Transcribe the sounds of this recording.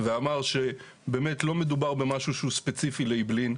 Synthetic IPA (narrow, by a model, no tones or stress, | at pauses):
veamaʁʃe | be̞ːmetlo̞me̞dubaʁbemaʃuʃuspet͡sifileiblin